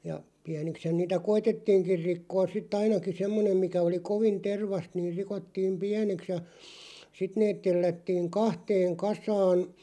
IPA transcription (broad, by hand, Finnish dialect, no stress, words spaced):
jɑ piænikshæn niːtæ koitetːiːŋkir rikːoːs sitː ɑinɑki semːonem mikæ oli koʋin terʋɑst niːr rikotːiːm piæneks jɑ sit neːt telːætːiːŋ kɑhteːŋ kɑsɑːn